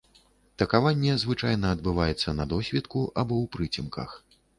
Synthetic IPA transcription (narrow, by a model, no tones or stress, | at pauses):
t̪ɐkavanʲːɛzvɨt͡ʂajnɐːd̪̚bɨvajɛt̪sːɐnɐd̪ɔsʲvʲɛt̪kuʔabɔwpɾɨt͡sʲimkʰɐ̰x